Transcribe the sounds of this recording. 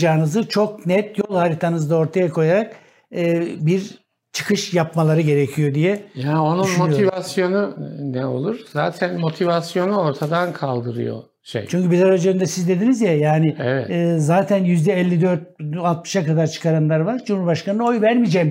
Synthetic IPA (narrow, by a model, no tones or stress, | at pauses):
d͡ʒaːɯnɯzɯt͡ʃʰo̞k̚nɛt̪jo̞lˠhaɾit̪ʰanɯzd̪ao̞ɾt̪ʰajakʰo̞jaɾak̚ | ɯːbiɾ | t͡ʃʰɯ̥kʰɯʃjapmalˠaɾɯɟe̞ɾecʰijo̞d̪ijɛjaːno̞nunmo̞tʰivasjo̞nunɛo̞̰lˠuɾ̥za̰ːt̪ʰænmo̞t̪ʰivasjo̞nuo̞ɾt̪ʰad̪ankʰalˠd̪ɯɾɯ̰jo̰ | ʃḛjt͡ʃʰyɲcybizaɾad͡ʒønd̪ɛsizd̪e̞d̪inizjajaːnɪɛvɛ̰t̪ːzaːt̪ʰænjyzd̪ɛɛlʲːid̪øɾt̪̚alˠt̪mɯ̥ʃakad̪aɾt͡ʃʰɯ̥kʰaɾanlˠaɾvaɾd͡ʒumhuɾbaʃkʰanɯno̞jvæɾmid͡ʒɛːm